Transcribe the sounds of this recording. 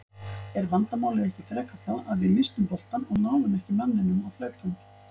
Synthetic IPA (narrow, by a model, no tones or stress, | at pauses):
ɛɾvant̪amaːwlɪðɛhcɪfɾɛːkaθaaðvɪmɪst̪ʏmpɔl̥t̪anɔɣnaːwvʏmɛhcɪmanːɪnːʏmawflœːɥt̪ʏm